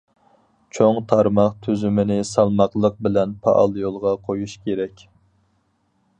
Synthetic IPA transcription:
t͡ʃʰoŋt̪ʰɑɾmɑqt̪ʰyzymɪnɪsɑlˠmɑqlˠəq̚bɪlɛnpʰɑʔɑ̰lˠjolˠʁɑqʰojuʃkʲeɾɛkʲ

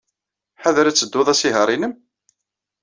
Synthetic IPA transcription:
ħaðɾæt͡sːəd̪ːʊðˤæsiɦəɾˤinəm

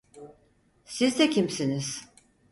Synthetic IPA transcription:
sizd̪ɛcʰimsiniz̥

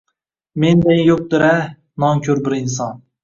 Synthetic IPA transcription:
mend̪enjop̚d̪ɪɾa | nɒŋkʲʰɵɾbɪɾɪnsɒn

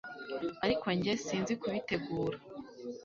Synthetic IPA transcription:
aɾikʰoɲɟesiːnzikuβite̞ɡuːɾa

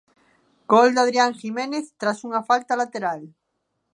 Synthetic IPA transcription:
ɡ̥old̪að̞ɾjaŋximẽneθt̪ɾasuŋafalt̪alat̪eɾal

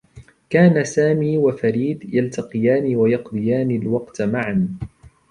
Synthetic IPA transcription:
kaːnasaːmiːwafaɾiːd̪jalt̪ʰɑqɨjaːnɪwajɑqd̪ˤɨjaːnɪlwɑqt̪maʕan

